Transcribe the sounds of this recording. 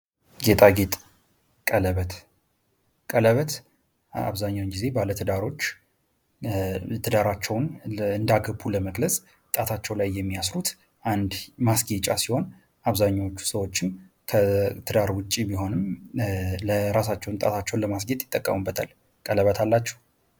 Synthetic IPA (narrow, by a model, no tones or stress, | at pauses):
ɡe̞t̪ʼaɡe̞t̪ʼ | kʼələβət̪ | kʼələβət̪ | a̰βzaɲːawnɡize̞balət̪ʰɨd̪aɾo̞t͡ʃː | t̪ʰɨd̪aɾat͡ʃːɛwnɨnd̪aɡəbːuləməɡləsʼ | t̪ʼat̪ʰat͡ʃːɛwlajːɛmːiasɾut̪ | ʔand̪masɡet͡ʃʼasiho̞n | aβzaɲːawot͡ʃːu̥səwo̞t͡ʃːɪm | kʰət̪ʰɨd̪aɾwʊt͡ʃʼːibiɦo̞nɨm | ləɾas̬at͡ʃːɛwnt̪ʼat̪ʰat͡ʃːɛwnləmasɡet̪ʼjɪt̪ʼːəkʼːəmɨbːət̪ʰa̰l | kʼələβət̪ʰalːat͡ʃːɛ̥